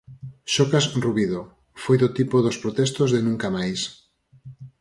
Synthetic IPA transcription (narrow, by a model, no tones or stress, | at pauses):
ʃokasruβiðo | fojðot̪ipoðospɾot̪ɛst̪ozðenũŋkamajs